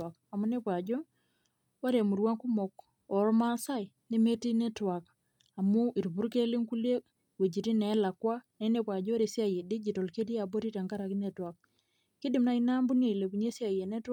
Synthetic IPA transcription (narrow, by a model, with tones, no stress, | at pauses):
a˨k | a˨mu˦ne˦pwa˨d͡ʒɔ˦ | a˦ɾea˨mu˨ɾwa˦ŋku˦mɔ˨k̚ | ɔ˨ɾma˦sa˦i˨ | ni˦me˦ti˦ne˦twa˨k | a˨mu˦ʔi˨ɾbu˦ɾke˦li˦ŋku˦le˦ | we˨d͡ʒi˨ɾi˦nɛ˨˦la˨kwa˦ne˨˦ne˦pwa˨d͡ʒɔ˦o˦ɾe˨sja˦˨je˨di˦d͡ʒi˨to˨lke˦di˦ja˨bo˦ɾi˦ta˨ŋɡa˦ɾa˨ki˦ne˨twa˨k̚ | ki˦di˨mna˦i˦na˦mbu˦ne˦˨le˨bu˨ɲe˦sja˨je˨ne˦t